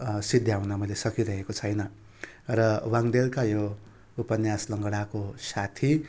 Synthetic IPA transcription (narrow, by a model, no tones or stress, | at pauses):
sid̪ʱjawnamʌjlesʌkiɾʌɦekot͡sʰʌjnʌ | rʌwaŋd̪elkajo | upʌnjaslʌŋɡʌɽakosat̪ʰi